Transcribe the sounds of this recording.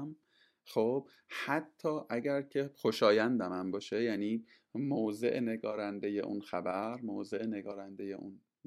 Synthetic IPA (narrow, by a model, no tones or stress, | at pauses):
m | xob̥ | hæt̪ʰːɒːʔæɟæɾcʰe̞xoʃɒːjænd̪æmæmbɒːʃejæniː | mowze̞̰ʔne̞ɡɒːɾænd̪e̞jḛʔṵnxæbæɾmowze̞ʔne̞ɡɒːɾænd̪e̞je̞̰ʔun